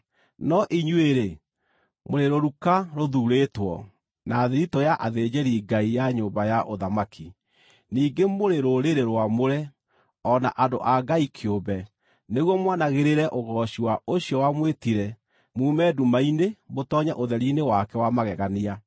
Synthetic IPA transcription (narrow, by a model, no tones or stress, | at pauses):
nɔʔiɲweɾe | moɾeɾoɾukaɾoðuːɾetwɔ̰ | naːðeɾitɔjaʔaðed͡ʑeɾiɡaijaɲoːmbajaʔoðamakʰi | niːɡemoɾeɾoɾeɾeɾwamoɾɛ | ɔna̰ʔando̰ʔaɡaikʰeobɛ | neɣwɔmwanaɣeɾeɾɛʔoɣɔɕiwaoɕiɔwamwetiɾɛ | muːmɛːdumainemotɔːɲɛʔoðɛɾinewakɛwamaɣɛɣania